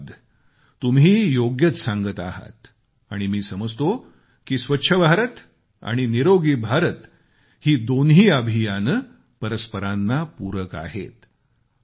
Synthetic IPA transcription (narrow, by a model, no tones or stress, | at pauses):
d̪ː | umɦiːjoɡjət͡s̪sãŋɡət̪aɦa̰t̪ | aɽ̃imiːsəməd͡zt̪o | kiːsʋətːɕʰəbʱaɾət̪ | a̰ɽ̃iniɾoɡiːbʱaɾət̪ | hiːd̪onɦiːəbʱijan | pəɾəspəɾanːapuɾəka̰ɦḛt̪